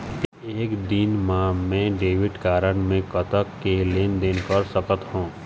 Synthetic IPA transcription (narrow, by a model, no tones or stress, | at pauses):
eːkd̪inmaːmẽɖeːʋɪʈkaːɾəɽmẽkət̪əkːeleːnd̪eːnkəɾsəkət̪ɦõː